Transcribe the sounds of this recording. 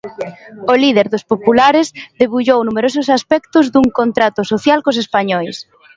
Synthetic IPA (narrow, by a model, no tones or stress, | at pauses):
olið̞eɾðospopulaɾɪzðeβuʎownumeɾosʊsaspɛkt̪ʊzðuŋkont̪ɾat̪ʊsoθjalkos̬espaɲɔjs